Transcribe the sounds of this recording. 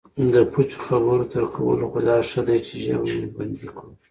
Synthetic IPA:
d̪əput͡ʃo̥xabəɾot̪əɾkʰawə̰loxʊd̪ɑʂəd̪ajt͡ʃeʒa̰wband̪ikʰu

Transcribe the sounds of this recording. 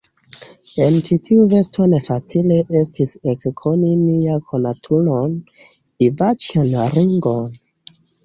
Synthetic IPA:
e̞nt͡ʃitʰiuve̞sto̞ne̞fat͡sile̞ʔestisekkʰonimiakʰonatʰulon | ivat͡ʃanɾiŋɡon

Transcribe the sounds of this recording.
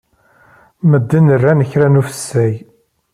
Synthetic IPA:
məd̪ːənərːænəçɾænufə̥sːæj

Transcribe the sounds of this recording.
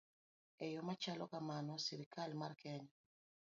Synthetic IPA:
ejomat͡ʃalɔkamanɔsiɾikalmarkɛɲa

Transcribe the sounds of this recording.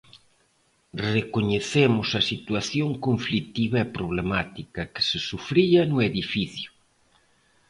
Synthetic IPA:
rekoɲeθemʊsɐsit̪waθjoŋkoɱflit̪iβɐepɾoβ̞lemat̪ikɐkɪ̥sɪsufɾiɐnʊeðifiθjʊ

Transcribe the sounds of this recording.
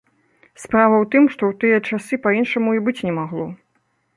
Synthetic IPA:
spɾavɐwt̪ɨmʂt̪ɔwt̪ɨjɐt͡ʂasɨpainʂɐmuibɨt͡sʲnʲɛmaɣlˠɔ

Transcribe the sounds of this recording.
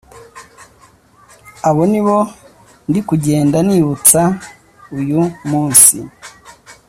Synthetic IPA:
aβo̞niβo̞ | ndikuɟe̞ːndaniːβut͡sa | ujumuːnsḭ

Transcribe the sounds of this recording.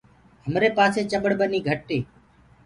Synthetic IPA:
ɦəmɾeːpaːseːt͡ʃəɓəɽbəniːɡʱəʈːeː

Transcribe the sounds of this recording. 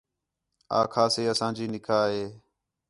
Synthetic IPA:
a̰ːkʰaːseːəsãːd͡ʒiːnɪkʰaːɦeː

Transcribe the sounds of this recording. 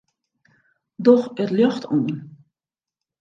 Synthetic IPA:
dɔxətløxtʰuːn

